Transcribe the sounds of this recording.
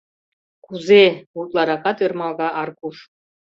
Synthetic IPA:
kuzeut̪lˠɑɾɑkɑt̪ĕrmɑlˠɣɑʔɑrkuʂ

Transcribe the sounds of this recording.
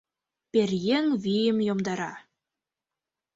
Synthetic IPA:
pʲerʲjeŋvʲijɘ̆mjomd̪ɑɾɑ

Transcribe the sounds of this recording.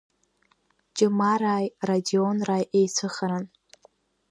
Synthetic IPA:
t͡ʃʼɪmaɾaːjradionraːjʔejt͡sʷʰɨχaɾan

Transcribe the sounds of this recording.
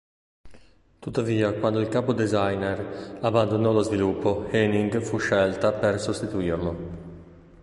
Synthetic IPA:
t̪ut̪ːaviːakwand̪oilkaːpod̪ezajnɛrabːand̪onɔlozvilupʰːoheniŋɡfuʃːɛlt̪apersost̪it̪uirlo

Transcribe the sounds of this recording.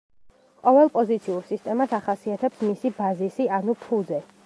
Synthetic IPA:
qʼɔvɛlˠpʼɔzit̪sʰiuɾsist̪ʼɛmasaχasiat̪ʰɛpsmisibazisianupʰud̪zɛ

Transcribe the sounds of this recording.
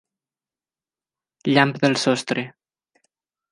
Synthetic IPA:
ʎampðəlˠsɔst̪ɾe

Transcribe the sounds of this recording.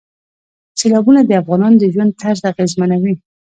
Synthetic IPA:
selɑbunad̪əafɣɑnɑnod̪əʒwand̪̚t̪ʰazaɣezmanawi

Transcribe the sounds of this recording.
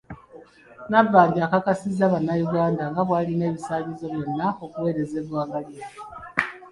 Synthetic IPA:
navːaːɲɡiakakasizaβanajuɡaːndaŋɡaβwaːline̞ːβisaːβizo̞βjo̞nːao̞kuwe̞ːɾe̞ze̞ːβwaːɡaliia

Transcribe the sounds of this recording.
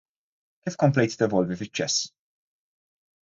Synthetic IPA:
kiːfkɔmplɛjt̪t̪ɛvɔlvifɪt͡ʃːɛsː

